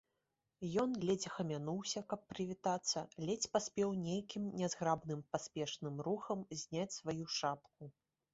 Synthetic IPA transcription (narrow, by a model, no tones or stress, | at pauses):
jɔnɣlʲɛd͡zʲixɐmʲanuwsʲɐkɐpːɾɨvʲit̪at̪sːɐlʲɛt͡sʲpasʲpʲɛwnʲejkʲimnʲɛzɣɾabnɨmpasʲpʲɛʂnɨmɾuxɐmzʲnʲat͡sʲsvajuʂapk̚u